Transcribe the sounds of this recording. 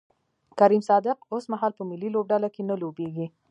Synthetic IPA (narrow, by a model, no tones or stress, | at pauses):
kaɾimsɑd̪ɪq̚osmaɦɑlpəmɪlːilob̚ɖalakenəlobeɡi